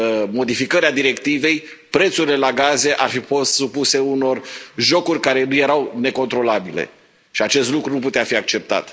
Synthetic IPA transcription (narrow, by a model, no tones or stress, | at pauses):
mo̞d̪ifikəɾead̪iɾe̞kt̪ive̞j | pɾe̞t̪suɾile̞laɡaze̞ʔarfifo̞st̪supuse̞uno̞rʒo̞kurʲkaɾe̞nuje̞ɾawne̞ko̞nt̪ɾo̞labilḛ | ʃiat͡ʃe̞st̪lukɾunup̬ut̪eafiak̚t͡ʃe̞p̚t̪a̰t̪